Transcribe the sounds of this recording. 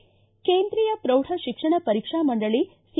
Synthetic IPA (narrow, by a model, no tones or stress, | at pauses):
keːnd̪ɾijɐpɾɐwʈʰɐʃikʂɐɳɐpɐɾikʂaːmɐɳɖɐɭi | s